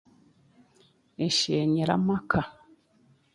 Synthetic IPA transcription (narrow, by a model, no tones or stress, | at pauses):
eʃeːɲeɾa̰makʰa